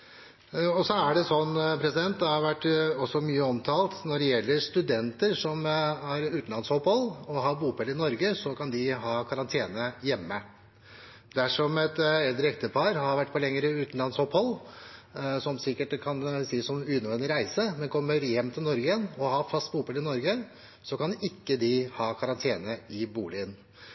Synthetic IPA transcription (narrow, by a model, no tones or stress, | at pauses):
ɔsɔæɖɛsɔnpʰɾɛsɪd̪ɛnt̪̚d̪ɛhɑɾʋæʈːɔsːɔmyːəɔmt̪ʰɑːlt̪nɔɖɛjɛlːəɾʂt̪ʉd̪ɛnt̪əɾʂɔmæɾʉːt̪n̩lɑnshɔphɔlːɔɦɑɾbuːpʰɛlːɾɪnɔɾɡəsɔkɑnd̪ɪɦɑːkʰɑɾɑnt̪ʰeːnəjɛmːə | d̪æʂɔmɛt̪ɛld̪ɾəɛkt̪əpʰɑɾhɑɾʋæʈːpɔlɛŋːəɾəʉːt̪n̩lɑnshɔphɔlː | sɔmsɪkːəʈkʰɑnsiːəsɔmʉːəʋɛnd̪ɪɾæɪsəmɛnkʰɔmːəɾjɛmːt̪ʰɪlnɔɾɡəɛnɔhɑfɑst̪̚buːpʰɛlːɾɪnɔɾɡə | sɔkɑnɪkːəd̪ɪhɑːkʰɑɾɑnt̪ʰeːnəɪbuːlɪən